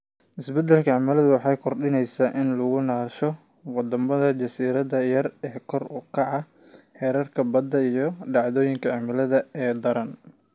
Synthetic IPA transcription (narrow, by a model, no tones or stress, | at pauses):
ʔɪsbɛd̪ɛlkʰɐʕɑmalɐðʊwɑħɑːjkʰɔrɖɪnɛjsaːʔɪnlɐɣʊnaːʃɔ | wɑd̪ɐmɐðɐt͡ʃɐsiːɾɐðɐjɐrɛːkʰɔrʊkʰɑʕɑ | ħɛːɾɐrkʰɐbɐd̪ːɐijɞɖɑʕðɔːjɪŋkʰɐʕɑmɪlɐðɐɛːd̪ɐɾɐn